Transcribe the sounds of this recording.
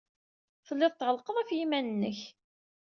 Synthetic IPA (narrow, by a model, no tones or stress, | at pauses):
θəlːɪðˤt̪ːʕəlqəðˤæfjimænənːəç